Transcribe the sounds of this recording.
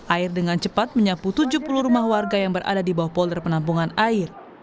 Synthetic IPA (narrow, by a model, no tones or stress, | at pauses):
ʔaɪrdəŋant͡ʃəpat̪̚məɲaput̪ud͡ʒupuluhɾumahwarɡajaŋbəɾa̰dadibawahpɔldərpənampuŋanaɪr